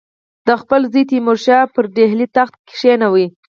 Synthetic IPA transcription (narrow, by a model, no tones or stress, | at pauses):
d̪̥əxpəlzit̪imʊɾʃɑpəɾɖeɦlit̪axt̪̚kɪ̥ʂenawi